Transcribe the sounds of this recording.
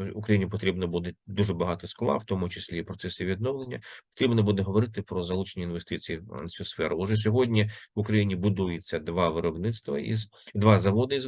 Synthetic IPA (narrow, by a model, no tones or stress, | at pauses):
ʊkɾɐjinʲipɔt̪ɾʲibnɔbud̪ed̪uʐɛbɐɦɑt̪ɔsklˠɑ̰wt̪ɔmʊt͡ʃɪsʲlʲipɾɔt̪sɛsɪʋʲid̪nɔʋlˠenʲːɐpɔ̥t̪ɾʲibnɔbud̪ɛɦɔʋɔɾɪt̪ɪpɾɔzɐlˠut͡ʃenʲinʋest̪ɪt͡sʲijiɐ̰nsʲusfɛɾʊɔʒɛs̬ʲɔɦɔdʲnʲiʋʊkɾɐjinʲibʊd̪ujet͡sʲːɐd̪ʋɑʋɪɾɔbnɪt̪st̪ʋɐḭz | d̪ʋɑzɐʋɔd̪ɐiz